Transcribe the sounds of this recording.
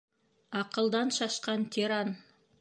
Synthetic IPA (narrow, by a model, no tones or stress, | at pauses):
ɑqəlˠd̪ɑnʃɑʃqɑnt̪ʰeɾan